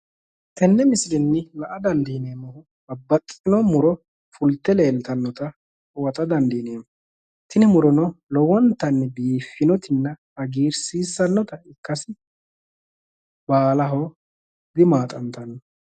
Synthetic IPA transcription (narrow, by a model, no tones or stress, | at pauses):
t̪ɛnːɛmɪsɾɪnːɪlɐʔɐd̪ɐnd̪iːneːmɔhʊ | bɐbːɐtʼːɪnɔmʊɾɔ | fʊlt̪ːɛle̞ːlt̪ɐnːɔt̪ɐ | wɐt̪ʼɐd̪ɐnd̪iːneːm | t̪ɪnɪmʊɾɔnɔlɔwɔnt̪ɐnːɪbiːfːɪnɔt̪ɪnːɐ | ɐɡiːɾsiːsːɐnːɔt̪ɐɪkːɐsɪ | baːlɐɦo | d̪ɪmaːt̪ʼɐnt̪ɐnːɔ